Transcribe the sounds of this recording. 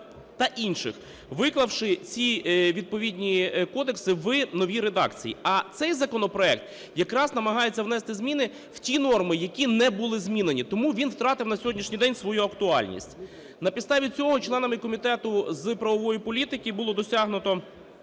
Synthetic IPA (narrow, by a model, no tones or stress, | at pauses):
t̪ɐʔinʃɪ̰x | ʋɪklˠɐwʃɪt͡sʲiʋʲid̪̚pɔʋʲidʲnʲikɔd̪eksɪʋɪnɔʋʲiɾed̪ɑ̰kt͡sʲijiɐt̪sɛjzɐkɔnɔpɾɔɛk̚t̪ | jɐkɾɑznɐmɐɦɑjet͡sʲːɐwnɛst̪ɪzmʲinɪ | w̥tʲinɔrmɪjɐkʲinɛbulˠɪzmʲinenʲit̪ɔmuʋʲinwt̪ɾɑt̪ɪwnɐsʲɔɦɔdʲnʲiʃnʲijd̪ɛnʲsʋɔjuɐkt̪ʊɑ̰lʲnʲḭsʲtʲ | nɐpʲid̪st̪ɑʋʲit͡sʲɔɦɔt͡ʃlˠɛnɐmɪkɔmʲit̪ɛt̪ʊzpɾɐʋɔʋɔjipɔlʲit̪ɪkʲibʊlˠɔd̪ɔsʲɑɦnʊt̪ɔ